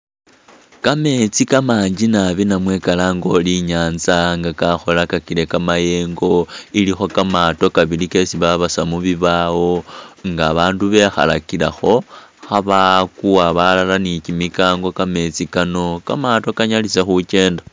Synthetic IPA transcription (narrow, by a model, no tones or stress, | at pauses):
kame̞t͡sikamaːɲd͡ʒinaβinamwe̞kalaːŋɡo̞liɲaːnzaŋɡakaxo̞lakakile̞kamaje̞ːŋɡo̞ilixo̞kamato̞kaβilike̞siβaβasamuβiβawo̞ŋɡaːβaːnduβe̞xa̰la̰kilaxo̞ | xaβakuaβalalanicimikaːŋɡo̞kame̞t͡sikano̞kamato̞kaɲalisexut͡ʃe̞ːnda